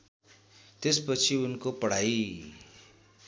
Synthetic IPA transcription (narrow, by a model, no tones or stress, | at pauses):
t̪espʌt͡sʰiunkopʌɽ̤aji